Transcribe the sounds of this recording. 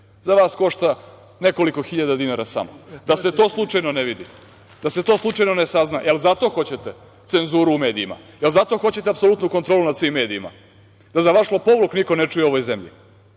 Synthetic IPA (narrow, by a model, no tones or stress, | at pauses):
zaʋaːsko̞ʃt̪a | ne̞ko̞liko̞xiʎad̪ad̪inaːɾasa̰mod̪ase̞t̪o̞ːslˠut͡ʂajnoneʋid̪ḭ | d̪̥aset̪o̞ːslˠuʈ͡ʂajno̞nesaznaʔelzat̪o̞xo̞t͡ɕe̞t̪e | t̪se̞nzuːɾuːme̞ːd̪iima̰jelzat̪o̞xo̞t͡ɕe̞t̪eapsolut̪nuko̞nt̪ɾo̞ːlunad̪sʋiːmːe̞ːd̪iima̰ | d̪azaʋaʃlopo̞ʋlukniko̞ne̞t͡ʂujeo̞ʋojzemʎḭ